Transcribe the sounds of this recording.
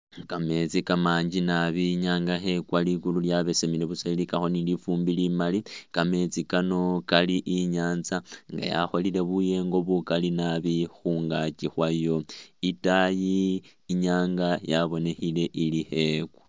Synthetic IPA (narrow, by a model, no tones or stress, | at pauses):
kame̞t͡sikamaːɲd͡ʒinaβiɲaːŋɡaxe̞kwalikululjaβe̞semile̞βusailikaxo̞nilifuːmbilimalikame̞t͡sikano̞kaliʔiɲaːnzaŋɡa̰ja̰xo̞lile̞βuje̞ŋɡo̞βukalinaβixuŋɡat͡ʃixwajo̞itajiː | ɲaːŋɡajaβo̞ne̞xile̞ʔilihe̞kwḁ